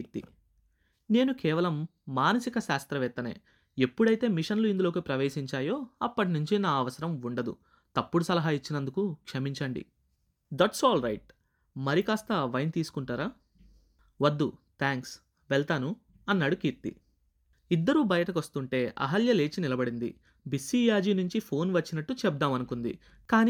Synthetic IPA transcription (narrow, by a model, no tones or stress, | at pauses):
ɾt̪ḭ | ne̞ːnukɛːʋɐlɐmːaːnɐsikɐʃaːst̪ɾɐʋɛt̪ːɐnḛː | epːuɽɐjt̪e̞ːmiʂɐnluind̪ulo̞ːkipɾɐʋe̞ːʃiɲt͡ʃaːjo̞ːɐpːɐʈ̬inuɲt͡ʃinaːɐʋɐsɐɾɐmuɳɖɐd̪ṵ | t̪ɐpːuɽusɐlɐɦait͡ʃːinɐnd̪ukukʂɐmiɲt͡ʃɐɳɖḭ | d̪ɐʈsɔːlɾɐjʈ̚ | mɐɾikaːst̪ɐʋɐjnt̪iːsu̥kuɳʈaːɾaː | ʋɐd̪ːut̪ʰaːŋks | ʋɛɭt̪aːnu | ɐnːaːɽukiːɾt̪ḭ | id̪ːɐɾuːbɐjɐʈɐk̬ʋɐst̪uɳʈe̞ːʔɐ̰ɦɐljɐleːt͡ʃinilɐbɐɽind̪ḭ | bisiːjaːd͡ʒiːnuɲt͡ʃipʰo̞ːnʋɐt͡ʃːinɐʈːut͡ʃɛb̚d̪aːmɐnukund̪ḭ | kaːni